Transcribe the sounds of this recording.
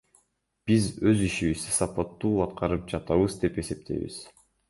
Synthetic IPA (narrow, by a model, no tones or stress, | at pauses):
b̥izø̞ziʃiβizd̪isɑpɑt̪ːuːɑt̪̚qɑɾɯp̚d͡ʒɑt̪ɑβɯzd̪e̞pe̞se̞p̚t̪ʰe̞̰jβḭz̥